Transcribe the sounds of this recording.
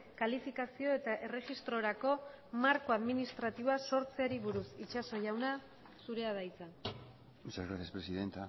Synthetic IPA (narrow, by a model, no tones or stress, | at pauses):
kalifikasio̞e̞t̪aʔe̞re̞xist̪ɾo̞ɾako̞ | maɾko̞aðminist̪ɾat̪iβoaso̞ɾt͡seaɾiβuɾusit͡ʃaso̞ʝawna | suɾe̞að̞ajt͡sa | isazɣɾasjaspɾesiðent̪a